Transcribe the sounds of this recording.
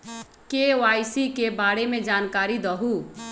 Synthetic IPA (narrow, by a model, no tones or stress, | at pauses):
keoajsikebaɽemẽd͡ʒaːnkaːɾid̪əɦu